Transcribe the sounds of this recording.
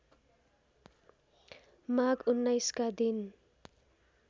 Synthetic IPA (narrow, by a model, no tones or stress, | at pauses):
maɡunːajskad̪in